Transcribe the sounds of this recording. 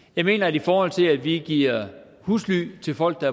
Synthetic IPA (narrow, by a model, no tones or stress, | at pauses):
jɑ̈ɪme̝̰ːnɐædifɒːhɒ̽l̰t͡sʰe̝læd̥ʋiɡ̥iɐ | husly̰ːt͡sʰe̝lfɒ̽l̰ɡ̥̚d̥ɑ̈ɐ